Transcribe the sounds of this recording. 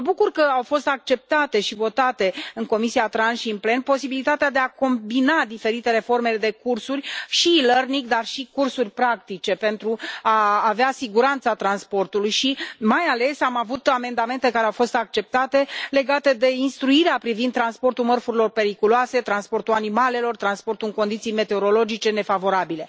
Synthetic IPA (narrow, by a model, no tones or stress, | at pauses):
məbukurkəawfo̞st̪ak̚t͡ʃe̞p̚t̪at̪e̞ʃivo̞t̪at̪e̞ɨŋko̞misiat̪ɾansʃiɨnple̞npo̞sibilit̪at̪ead̪e̞ako̞mbinad̪ife̞ɾit̪e̞ɾe̞fo̞rme̞d̪e̞kursurʲʃiːlərnikd̪arʃikursurʲpɾak̚t̪it͡ʃe̞pe̞nt̪ɾuaːveasiɡuɾant̪sat̪ɾanspo̞rt̪ulujʃimajale̞samavut̪ame̞nd̪ame̞nt̪e̞kaɾeawfo̞st̪akt͡ʃe̞p̚t̪at̪e̞le̞ɡat̪e̞d̪e̞inst̪ɾuiɾeapɾivind̪tːɾanspo̞rt̪umərfuɾilo̞rpe̞ɾikuloase̞t̪ɾanspo̞rt̪uanimale̞lo̞rt̪ɾanspo̞rt̪uɨŋko̞nd̪it̪sijme̞t̪eo̞ɾo̞lo̞d͡ʒit͡ʃe̞ne̞favo̞ɾabile̞